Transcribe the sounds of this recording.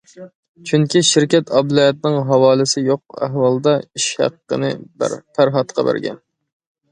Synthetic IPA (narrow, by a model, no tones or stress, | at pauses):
t͡ʃʰyŋkʲiʃɪɾkʲɛt̪ʰɑblˠɑjɛt̪̚nɪŋɦɑwɑːlˠɨsɪjoq̚æ̰ɦwɑlˠd̪ɑiʃhæ̰qːə̰nɨpʰæɾɦɑt̪qʰɑbæ̰ɾɡʲɛ̰n